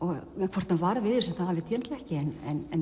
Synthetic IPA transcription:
ɔɣkʰvɔr̥t̪navaɾvɪðʏɾsɛmθaðhavɪt̪ʰjɛːnt̪lɛhcɪɛnɛnɛn

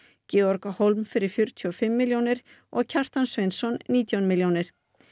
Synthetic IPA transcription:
cɪːɔɾkahowlmfɪɾɪɾ̥fjʏɾ̥t̪ʰyɔfɪmːɪljownɪɾ̥ | ɔɣcʰar̥t̪ansvejnsɔnːiːt̪jawnmɪljownɪɾ̥

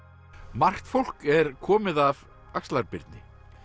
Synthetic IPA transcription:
mar̥xt̪fowl̥kɛɾkʰɔːmɪðav | akstlaɾpɪɾt̪nɪ

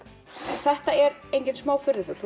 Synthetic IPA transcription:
θɛht̪aɛɾejɲcɪnsmaːwfʏɾðɪθʏθ

